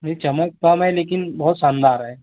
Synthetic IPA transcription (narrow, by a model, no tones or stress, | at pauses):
nɐit͡ʃɐmək̚kɐmɦɛleːkɪnbɐɦʊt̪sãnd̪aːɾɦɛː